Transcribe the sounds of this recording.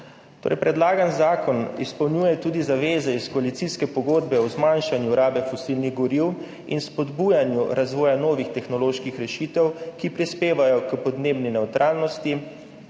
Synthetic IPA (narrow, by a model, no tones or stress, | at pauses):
t̪o̰ːɾʔɛ̰jpɾɛd̪laːɡanzaːkɔnḭspɐwnjuːjɛt̪uːd̪izaʋeːzɛiskɔalit̪siskɛpɔɡoːd̪bɛɔzmanʃanjuɾaːbɛfɔsilniɣɡɔɾiw | ḭnspɔd̪bujanjuɾazʋɔːjanɔːʋixt̪ɛxnɔloːʃkixɾɛʃit̪ɛwkipɾispeːʋajɔkpɔd̪neːbninɛwt̪ɾʔaːlnɔst̪i